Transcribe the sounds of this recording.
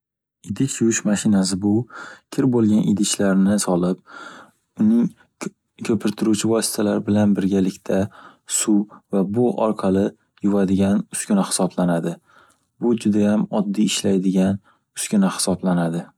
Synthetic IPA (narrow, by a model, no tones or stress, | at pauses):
ɪd̪ɪt͡ʃjʊɪʃmaʃɪnas̬ɪbʊkʲʰɪɾbolˠɡʲanʔɪ̰d̪ɪt͡ʃlaɾnɪsɒlˠɪp̚ | ʊnɪŋ | kʲʰɵpʰɪɾt̪ʰɪɾut͡ʃʰɪvɒsɪ̥t̪ʰalaɾɪbɪlanbɪɾɡʲalɪkʲt̪ʰa | sʊvabʊʔɒɾqʰɑlɪ | jʊvad̪ɪɡʲanʊskʲʊnahɪ̥sɒblanad̪ɪ | bʊd͡ʒʊd̪ajamɒd̪ːijɪʃlajd̪ɪɡʲan | ʊ̥skʲʊnahɪ̥sɒblanad̪ɪ